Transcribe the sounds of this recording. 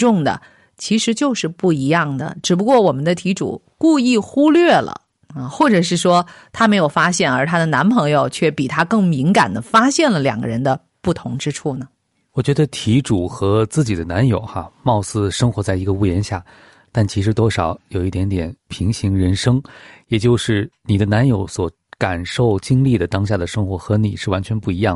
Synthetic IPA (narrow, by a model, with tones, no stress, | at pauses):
ʈ͡ʂʊ˥˩ŋd̪ə̰˩ | t͡ɕʰi˧˥ʂɻ̩˧˥t͡ɕjo˥˧ʊʂɻ̩˥˧pu˥˩i˧˥jɑ˥˩ŋd̪ə̰˩ʈ͡ʂɻ̩˨˩p̬u˧˥kwɔ˥˩wɔ˨˩mə˦nd̪ə˧t̪ʰi˧˥ʈ͡ʂṵ˨˩ | ku˥˧i˥˩xu˥lɥɛ˥˩lə̰˩ | ə˧xwɔ˥˩ʈ͡ʂɤ˨˩ʂ̬ɻ̩˥˩ʂwɔ˥t̪ʰa˥me˧˥ɪjo˨˩ʊfa˥ɕjɛ˥˩nə˞˧˥t̪ʰa˥d̪ə˨na˧˥npʰɤ˧˥ŋjo˨˧ʊt͡ɕʰɥɛ˥˩pi˨˩t̪ʰa˥kɤ˥˩ŋmi˧˥ŋka˨˩nd̪ə˦fa˥ɕjɛ˥˩nlə˩ljɑ̰˨˩ŋɡə̰˦˧ɻə˧˥nd̪ə˧ | pu˥˩t̪ʰʊ˧˥ŋʈ͡ʂɻ̩˥ʈ͡ʂʰu˥˩nə˩ | wɔ˨˩t͡ɕɥɛ˧˥d̪ə˧t̪ʰi˧˥ʈ͡ʂu˨˩xɤ˧˥t͡sɹ̩˥˩t͡ɕi˨˩d̪ə˦na˧˥njo˨˩ʊxa˧mɑ˥˧ʊsɹ̩˥˩ʂɤ˥ŋxwɔ˧˥t͡sa˥˩ɪi˧˥ɡə˧u˥˩jɛ˧˥nɕja˥˩ | t̪a˥˩nt͡ɕʰi˧˥ʂ̬ɻ̩˧˥t̪wɔ˥ʂɑ˨˩˦ʊjo˨˩ʊi˥˩t̪jɛ˧˥nt̪jɛ˨˩˦npʰi˧˥ŋɕi˧˥ŋɻə˧˥nʂɤ˥ŋjɛ˨˩t͡ɕjo˥˧ʊʂɻ̩˥˩ni˨˩d̪ə˦na˧˥njo˧˥ʊswɔ˧˥ | ka˨˩nʂo˥˩ʊt͡ɕi˥ŋli˥˩d̪ə˩t̪ɑ˥ŋɕ̬ja˥˩d̪ə˩ʂɤ˥ŋxwɔ˧˥xɤ˧˥ni˨˩ʂɻ̩˥˩wa˧˥nt͡ɕʰɥɛ˧˥npu˥˩i˧˥jɑ˥˩